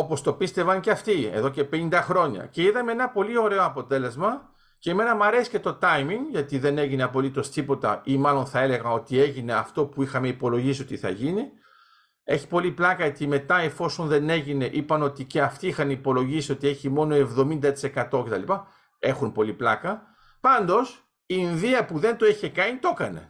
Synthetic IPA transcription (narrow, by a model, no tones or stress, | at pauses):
o̞po̞st̪o̞pist̪e̞vɐnceɐft̪iḛðo̞ce̞pe̞nind̪ɐxɾo̞ɲɐ̰ce̞iðɐmee̞nɐpo̞lio̞ɾe̞o̞ɐpo̞t̪e̞le̞zmɐ | ce̞ːme̞nɐmɐɾe̞si̥ce̞t̪o̞t̪ɐjmiŋɡʝɐt̪iðe̞ne̞ʝine̞ɐpo̞lit̪o̞st̪ipo̞t̪ɐ̰imɐlo̞nθɐe̞le̞ɣɐno̞t̪ie̞ʝine̞ɐft̪o̞puixɐme̞ipo̞lo̞ʝisio̞t̪iθɐ̰ʝini | e̞çi̥po̞liplɐkɐjɐt̪ime̞t̪ɐefo̞so̞nðe̞ne̞ʝine̞ʔipɐno̞t̪ice̞ɐft̪iixɐnipo̞lo̞ʝisiot̪ie̞çimo̞no̞e̞vðo̞mind̪ɐt̪i̥se̞kɐt̪o̞ce̞t̪ɐ̰lipɐ | e̞xunpo̞liplɐkɐ | pɐnd̪o̞s | iinðiɐpuðe̞nt̪o̞eçe̞kɐnit̪o̞kɐne̞̰